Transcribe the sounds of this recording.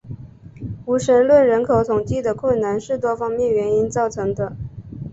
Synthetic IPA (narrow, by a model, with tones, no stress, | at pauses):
u˧˥ʂə˧˥nlwə˥˩nɻə˧˥nkʰo˨˧˩ʊt̪ʰʊ˨˩ŋt͡ɕi˥˩d̪ə˩kʰwə˥˩nna˧˥nʂɻ̩˥˩t̪wɔ˥fɑ˥ŋmjɛ˥˩nɥɛ˧˥ni˥nt͡sɑ˥˩ʊʈ͡ʂʰɤ˧˥ŋd̪ə˧